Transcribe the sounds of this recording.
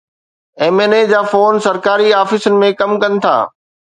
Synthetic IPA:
eːmeːned͡ʑaːfoːnsɐɾkaːɾiaːfɪsʊnɪ̆mẽkɐmkɐnɪ̆t̪ʰa̰ː

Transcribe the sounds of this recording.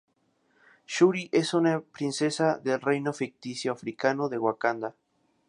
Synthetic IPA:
ʃuɾiʔesunapɾinsesaðelrejnofik̚t̪isjoafɾikanoðe̞ɣwakand̪a

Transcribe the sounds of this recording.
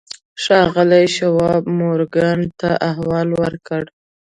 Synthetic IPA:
ʂɑɣəlajʃawɑbmoɾɡant̪aʔahwɑlwəɾkəɽ

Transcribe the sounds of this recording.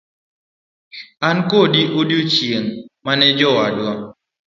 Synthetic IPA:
ankodiʔodot͡ʃjeŋmanɛd͡ʒɔwadwa

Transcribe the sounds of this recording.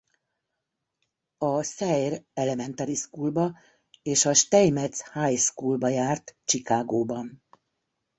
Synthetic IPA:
ɒsɛjrɛlɛmɛnt̪ɛɾiskuːlbɒ | eːʃɒʃt̪ɛjmɛt̪shajskuːlbɒjaːrt̪t͡ʃikaːɡoːbɒn

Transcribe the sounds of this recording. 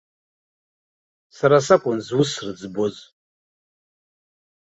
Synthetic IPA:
saɾasakʷʼʊnzwʊsrɨd͡zboz

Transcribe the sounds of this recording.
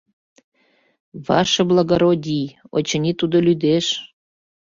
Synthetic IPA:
βɑ̰ʃɤ̆blɑɣoɾodʲijo̰t͡ɕə̆nʲit̪ud̪olyd̪eʃ

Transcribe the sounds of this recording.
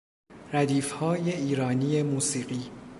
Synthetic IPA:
ɾæd̪iːfhɒːje̞iːɾɒːniːjemuːsiːɢiː

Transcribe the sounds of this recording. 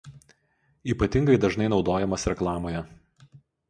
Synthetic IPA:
iːpɐt̪ʲɪŋɡɐɪd̪ɐʒnɐɪnɒʊd̪oːjɛmɐsɾʲɛklˠɑːmoːjɛ

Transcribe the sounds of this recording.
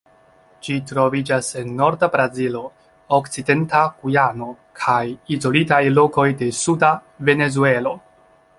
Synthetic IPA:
d͡ʒitɾo̞vid͡ʒase̞nːo̞ɾdabɾazilo̞ | okt͡side̞ntakujano̞ | kʰajizo̞litajlo̞ko̞jde̞suda | ve̞ne̞zue̞lo̞

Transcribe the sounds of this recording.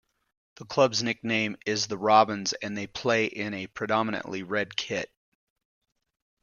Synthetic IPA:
ðəkʰl̥ʌbznɪk̚nẽɪ̃mɪzðəɹɑbɨ̃nzɨ̃nðeɪpʰl̥eɪʔɪ̃ñɨpʰɹ̥ɨdɑmənɨ̰̃nʔliɹɛd̚kʰɪt̚

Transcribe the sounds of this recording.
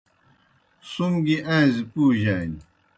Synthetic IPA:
sumɡiʔãizipuːʑaːn

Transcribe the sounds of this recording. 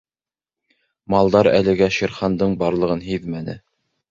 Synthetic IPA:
mɑlˠd̪ɑɾæ̰lɘ̆ɡæʃĭɾχɑnd̪ɤɴbɑɾlˠɤ̆ʁɤnɦiðmænɘ̰

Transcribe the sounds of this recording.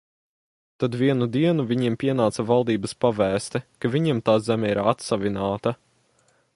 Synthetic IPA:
t̪ad̪viɛnud̪iɛnuvʲiɲimpʲiɛnaːt̪savalˠd̪iːbɐspavæːst̪ɛkavʲiɲimt̪aːzɛmʲɛiɾat̪savʲinaːt̪ɐ

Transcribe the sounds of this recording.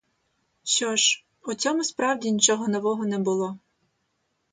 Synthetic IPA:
ʃɔʒ | ɔt͡sʲɔmʊspɾɑwdʲinʲit͡ʃɔɦɔnɔʋɔɦɔnɛbʊlˠɔ

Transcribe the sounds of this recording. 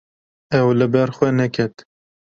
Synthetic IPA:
ɛwlɨbɛɾxwɛnɛkʰɛt̪

